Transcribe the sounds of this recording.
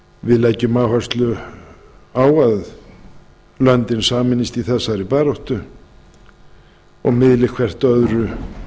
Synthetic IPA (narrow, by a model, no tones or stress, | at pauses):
vɪðlɛcːʏmaːwhœrst̪lʏ | aːwað | lœnt̪ɪnsaːmɪnːist̪iθɛsːaɾɪpaːɾɔwht̪ʏ | ɔ̰ɣmɪðlɪxkʰvɛr̥t̪œðɾʏ